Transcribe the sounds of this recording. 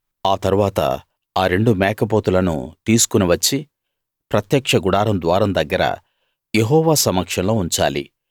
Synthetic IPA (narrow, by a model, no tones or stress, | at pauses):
aːt̪ɐɾuʋaːt̪ɐ̰ | aːɾe̞ɳɖumɛːkɐpoːt̪ulɐnṵt̪iːsu̥kuniʋɐt͡ʃːi | pɾɐt̪jɐkʂɐɡuɽaːɾɐmd̪ʋaːɾɐmd̪ɐɡːɐɾɐ̰ | je̞ɦɔːʋaːsɐmɐkʂɐnlo̞ːuɲt͡ʃa̰ːlḭ